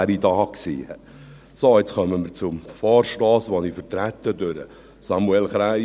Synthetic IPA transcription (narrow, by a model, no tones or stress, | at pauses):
ɾid̪ɑːksḭːɛ | soɪt͡sχœməmɪɾt͡sʊmfɑːɾʃtɑːsʋonifəɾtɾæt̪ːədøɾə̰ | sɑmuɛlχɾæɪ